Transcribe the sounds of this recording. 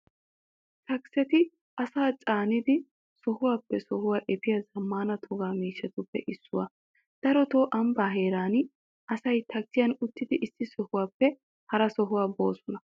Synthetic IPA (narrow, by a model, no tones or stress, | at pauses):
t̪ɐksɛt̪ɪ | ʔɐsaːt͡sʼaːnɪd̪ɪ | sɔhʊwaːpːɛsɔhʊwaːʔɛpɪjɐzɐmːaːnɐt̪ʰɔɡaːmiːʃːɛt̪ʊpːɛ̰ʔɪsːʊwa | d̪̥ɐɾɔt̪oːʔɐmbaːɦeːɾaːn | ʔɐsɐjt̪ʰɐksɪjɐnʊt̪ːɪd̪ɪʔɪsːɪsɔhʊwaːpːɛ | hɐɾɐsɔɦʊwaːbo̞̰ːsɔnɐ